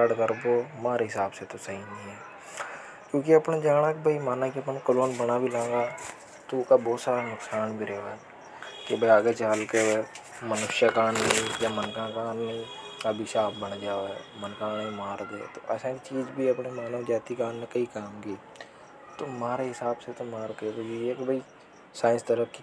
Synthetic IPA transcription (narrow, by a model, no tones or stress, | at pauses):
əɽkəɾboɦmaːɾeɦɪsaːbset̪osɐɦinəɦĩɦɛː | kjõːkiɐpnad͡ʒaːɽ̃akbʱəimaːnakiɐpnkəloːnbəɽ̃abʱilãːŋɡaː | t̪oːkabɔːt̪saːɾanʊksaːnbʱiɾeːoa | kebʱɐiaɡət͡ʃːaːlke | mənʊʃjakaːnːəĩjamənkãkaːnːɐĩɐbʱiʃaːpbəɽ̃d͡ʒaːɛ̰mənkãnĩmaːɾd̪eːt̪o̰ʔɛːsãkit͡ʃiːd͡ʒbʱiɐpnemaːnəd͡ʒaːt̪ikaːnmẽkɐikaːmkiː | t̪omaːɾeɦɪsaːbset̪omaːɾkebɐiekebʱɐi | sãːɪ̃nst̪əɾəfki